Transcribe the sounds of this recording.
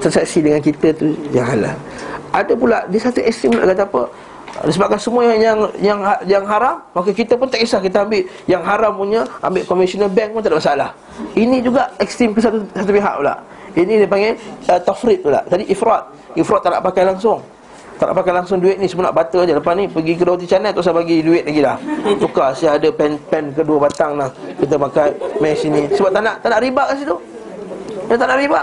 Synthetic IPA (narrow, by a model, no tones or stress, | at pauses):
sərsɛksidəŋankit̪ət̪ujaŋɦala̰ | ʔadəpulaʔdiəsat̪uʔɛkst̪ɾɪmplaʔkat̪̬aapə | disəbap̚kansəmuajajaŋjaŋajaŋɦaɾamːakəkit̪əpʊnt̪aʔkisahkit̪əambɪʔ | jaŋɦaɾampuɲəa̰mbɪʔkɔmisɔnəlbɛŋ̚pʊnt̪adaʔməsalah | inid͡ʒuɡaʔɛkst̪ɾɪmkəsat̪usat̪̬upiɦa̰ʔpula̰ʔ | inidiəpaŋɡɛət̪afɾɪt̪̚ːula̰d͡ʒadiʔifɾɔt̪̚ | ifɾɔt̪ːala̰ʔpakajlaŋsʊŋ | t̪ana̰ʔpakajlaŋs̬ʊŋduɪt̪̚nisəmuna̰ʔbat̪əd͡ʒalapanipəɡik̬ədawut̪̬it͡ʃanat̪us̬abaɡiduɪt̪̚laɡilaht̪ukasiaadəpɛnpɛnkəduəbat̪aŋlahkit̪̬əpakajmasinisəbap̚t̪anaʔt̪anaʔɾibaʔkəs̬it̪u | at̪anaʔɾibaʔ